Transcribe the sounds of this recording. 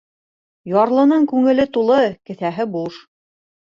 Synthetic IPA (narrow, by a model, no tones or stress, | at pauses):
jɑɾlˠɤ̆nɤɴkʉŋɘ̆lɘt̪ulˠɤkɘ̆θæɦɘbuʃ